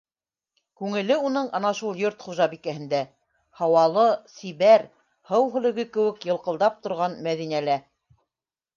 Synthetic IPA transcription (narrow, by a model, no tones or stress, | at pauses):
kʉŋɘ̆lɘunɤɴɑnɑʃulˠjoɾt̪χuʒɑbikæhɘ̆nd̪æ | hɑwɑlˠɤsiβæɾ | hɤwɦɵ̆lɘ̆ɡɘkɘ̆wɘ̆kjɤ̆lˠqɤ̆lˠd̪ɑp̚t̪ŏɾʁɑnmæðinælæ